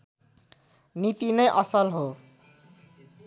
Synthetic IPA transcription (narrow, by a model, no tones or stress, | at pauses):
nit̪inʌjʔʌsʌlɦo